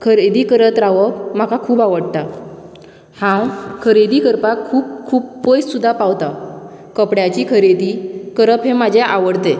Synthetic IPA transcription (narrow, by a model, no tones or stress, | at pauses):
kʰəɾed̪ikəɾət̪ɾaʋəp̚m̤akakʰuːpaʋəɽt̪a | hãwkʰəɾed̪ikəɾpakʰːuːb̚kʰuːb̚pəjssud̪ʱːapaʋt̪a | kəpɽjat͡ɕikʰəɾed̪ikəɾəpɦẽmad͡ʑʱeʔaʋəɽt̪e